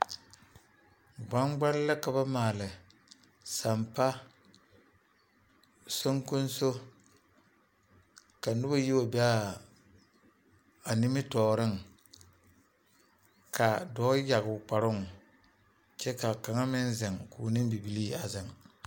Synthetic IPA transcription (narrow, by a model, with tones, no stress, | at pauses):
ɡ͡ba˦ŋɡ͡ba˦lla˦ka˨ba˦maː˨lɪ˨ | sa˨mpa˦ | so˦ŋku˦n˦so˦ | ka˨nʊ˦ba˦ji˦wa˨ba˦ | a˨nɪ˦mɪ˦tɔː˨ɾɪ˦ŋ | kʰa˨dɔː˦ja˨ɡʊ˨k͡pa˨ɾʊ˦ŋ˨ | t͡ʃɛ˦ka˨ka˨ŋa˦mɪ˦n˦zɪ˨ŋkʰuː˨nɪ˦m˦bi˨bi˨li˦a˨zɪ˨ŋ